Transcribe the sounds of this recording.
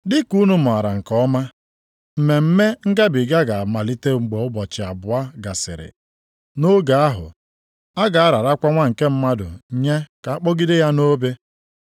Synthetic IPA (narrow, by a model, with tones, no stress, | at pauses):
dɪ˦ku˦nu˦mʊ˨a˨ɾa˨ŋ̩˨kɔ˦ma˦ | m̩˨me˨m̩˦me˦ŋ̩˦ɡa˦bɪ˨ɡa˦ɡa˨ma˨li˦te˦ŋ͡m̩˨ɡ͡bo˨ʊ˦bɔ˨t͡ʃɪ˨a̰˨bʊ˨a˦ɡa˨sɪ̰˨ɾɪ̰˨ | no˦ɡa˨a˦ɦʊ̰˨ | a˦ɡa˨a˦ɾa˨ɾa˦kʷa˦ŋʷa˦ŋ̩˨ke˦m̩˦ma˦dʊ̰˨ɲe˦ka˨a˦k͡pɔ˦ɡɪ˦dɪ˦ja˦no˦be˦